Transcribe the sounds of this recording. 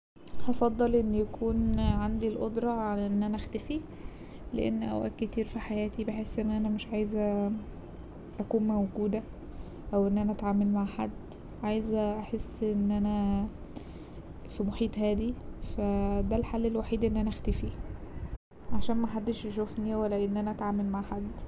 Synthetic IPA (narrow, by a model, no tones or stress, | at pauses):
hɑfɑd̪ˤːɑlʔenːjækʰuːnʕand̪ilʔod̪ɾˤɑʕalʔenːʔænæʔxt̪æfi | lḛʔḛnːʔæ̰wʔæ̰ːkket̪iːɾfiħajæːt̪ibeħesːʔenːʔænæmeʃʕaːjezæ | ʔækuːnmæwɡuːd̪æ | ʔæwʔenːʔænæʔæt̪ʕaːmælmaʕħad̪ː | ʕaːjezʔaħesːʔenːʔænæ | fimoħiːt̪ˤhæːd̪ifæd̪ælħalːelwaħiːd̪ʔenːʔænæʔæxt̪æfi | ʕaʃæːnmæħad̪ːeʃʃofniwælːæʔenːʔænæʔæt̪ʕaːmælmaʕħad̪ː